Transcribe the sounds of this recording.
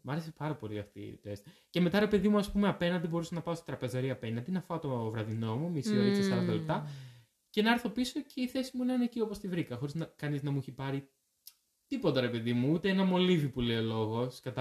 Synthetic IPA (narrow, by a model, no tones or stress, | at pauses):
mɐɾesepɐɾɐpo̞liɐft̪ḭt̪est̪ | ce̞me̞t̪ɐɾe̞pe̞ðimuɐspume̞ɐpe̞nɐnd̪ibo̞ɾusɐnɐpɐost̪i̥t̪ɾɐpe̞zɐɾiɐpe̞nɐnd̪inɐfɐt̪ovɾɐðino̞mumisinoɾisɐsɐɾɐt̪ɐlt̪ɐ | cenɐeɾθo̞piso̞cʰe̞iθe̞simunɐnecio̞post̪ivɾikɐxo̞ɾiznɐkɐniznɐmueçipɐɾi | t̪ipo̞t̪ɐɾe̞pe̞ðimuut̪eenɐmo̞livipuleolo̞ɣo̞skɐt̪ɐ